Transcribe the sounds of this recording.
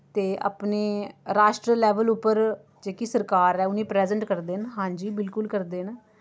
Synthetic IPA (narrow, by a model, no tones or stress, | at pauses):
t̪eːʔə̰pneːɾaːʃʈɾəlɛːʋəlʊpːəɾ | d͡ʒeːkisəɾkaːɾɛːʊnĩːpɾɛːzəɳʈkəɾd̪eːnɦãːɲd͡ʒiːbɪlkʊlkəɾd̪eːn